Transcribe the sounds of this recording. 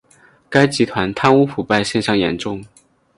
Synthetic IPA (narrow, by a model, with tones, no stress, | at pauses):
ka˥ɪt͡ɕi˧˥t̪ʰwa˧˥nt̪ʰa˥nu˥fu˨˩pa˥˧ɪɕjɛ˥˧nʂɑ˥˩ŋjɛ̰˧˥nʈ͡ʂʊ˥˩ŋ